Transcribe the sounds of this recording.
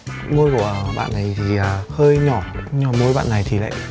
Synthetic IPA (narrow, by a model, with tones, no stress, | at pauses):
mo˧jkɔ˧˩ɓa̰ː˧˨nːa˨˩jt̪ʰi˨˩ə˨˩həː˧jɲɔ˧˩ɲɔ˨˩mo˧˦jɓa̰ː˧˨nːa˨˩jt̪ʰi˨˩la̰ː˧˨j